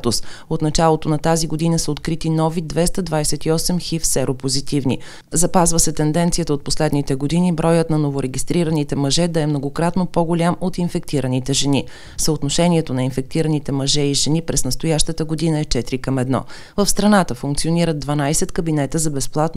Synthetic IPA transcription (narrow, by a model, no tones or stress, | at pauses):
t̪ʊsot̪nɐt͡ʃalˠot̪onɐt̪aziɡod̪inəsəot̪kɾit̪inɔvid̪vɛst̪əd̪vajsɛt̪iɔsɛmxifsɛɾopozit̪ivnḭ | zɐpazvəsɛt̪ɛnd̪ɛnt̪sijət̪əot̪̚poslɛd̪nit̪ɛɡod̪inibɾɔjət̪nɐnovoɾɛɡʲist̪ɾiɾənit̪ɛmɐʒɛd̪ɐɛmnoɡokɾat̪nopoɡolʲamot̪infɛk̚t̪iɾənit̪ɛʒɛni | səot̪noʃɛniɛt̪onɐinfɛk̚t̪iɾənit̪ɛmɐʒɛiʒɛnipɾɛznɐst̪ojaʃt̪ət̪əɡod̪inəɛt͡ʃɛt̪iɾikəmɛd̪nɔ̰ | vəfst̪ɾɐnat̪əfuŋk̚tsioniɾəd̪̚d̪vɐnajsɛt̪kəbinɛt̪əzɐbɛsplˠat̪n